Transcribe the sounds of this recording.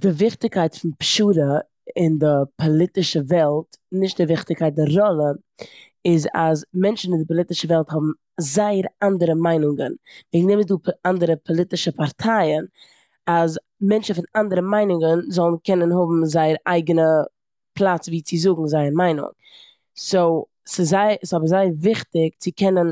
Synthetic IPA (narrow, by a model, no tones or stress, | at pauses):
d̥ɪvɪχtɪkaɪtfɪnpʃuːɾə | ɪndɪpʰɔlˠɪtɪʃəvɛlˠtnɪʃt̚dɪvɪχtɪkʰaɪt̚dɪɾɾɔlˠə | ɪza̰zmɛnt͡ʃn̩vindɪpɔlˠɪtɪʃəvɛlˠthɔbm̩ | zaɪəɾandəɾəmaɪnʊŋɡənviːɡnɛməzduːandəɾəpʰɔlˠɪtɪʃəpaɾtʰaɪən | az | mɛnt͡ʃn̩fɪnandəɾəmaɪnʊŋɡənzɔlˠn̩kʰɛnənɦʊbm̩zaɪəɾa̰ɪɡənə | pʰlˠat͡sviːt͡sɪzʊɡŋ̩zaɪəmaɪnʊ̰ŋ | so | sɪzaɪɪsɔbəɾzaɪəɾvɪχtɪkt͡sɪkʰɛnən